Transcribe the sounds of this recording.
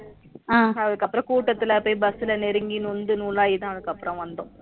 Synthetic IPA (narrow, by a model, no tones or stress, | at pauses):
aːɐðɯkːɐpːɯɾɐ̃kuːʈːɐt̪ːɪlɐpːoːibɐsɪlɐnɛɾɯŋɡinund̪ɯnuːlaːjɪt̪ãːɐðɯkːɐpːɾɐ̃ʋɐnd̪ʊ̃